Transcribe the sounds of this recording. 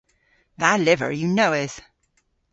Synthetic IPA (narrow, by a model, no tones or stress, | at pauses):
ðəʔlɪvə̰˞jɨnoʊɪz̥